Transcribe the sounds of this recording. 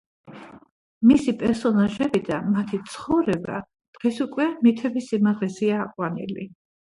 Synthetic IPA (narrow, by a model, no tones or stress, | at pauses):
misipʼɛɾsɔnaʒɛbid̪amat̪ʰit̪sʰχɔvɾɛba̰ | d̪̥ʁɛsukʼwɛmit̪ʰɛbisimaʁlɛsiaːqʼwanḭli